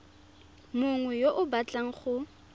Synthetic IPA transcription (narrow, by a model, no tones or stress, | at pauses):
mʊŋwɛjoʔʊbat͡ɬʼaŋ̩χʊ